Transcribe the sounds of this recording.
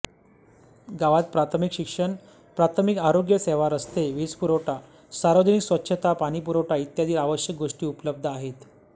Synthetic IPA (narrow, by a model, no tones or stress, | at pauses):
ɡaʋat̪̚pɾat̪ʰəmikɕikʂəɳ | pɾat̪ʰəmikaɾoɡjəseʋaɾəst̪eʋiːt͡spuɾoʈa | saɾʋəd͡ʑəniksʋətːɕʰət̪apaɽ̃ipuɾoʈait̪jad̪ʱiːɾaʋəɕjək̚ɡoʂʈiːupələb̚d̪ʱəaɦet̪